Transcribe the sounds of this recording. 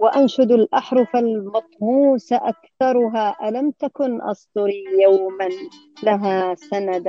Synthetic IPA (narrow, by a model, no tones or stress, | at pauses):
waʔanʃʊd̪alʔaħɾˤʊfalmɑt̪ˤmuːsaʔakθɑɾˤʊɦaːʔalamt̪akʊnʔɑ̰sˤd̪ʊɾijawman | laɦasanad̪